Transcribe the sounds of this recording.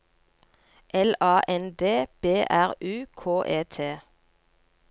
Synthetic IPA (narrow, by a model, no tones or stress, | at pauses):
ʔɛlɑːʔɛnd̪eːb̥eːʔæʁʉːkʰoːʔeːt̪ʰeː